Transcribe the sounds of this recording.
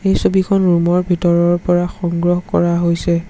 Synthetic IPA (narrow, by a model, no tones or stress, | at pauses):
ejsobikʰɔnɹumɔɹbʱitɔɹɔɹpɔɹaxɔŋɡɹɔɦɔkɔ̰ɹaɦojsɛ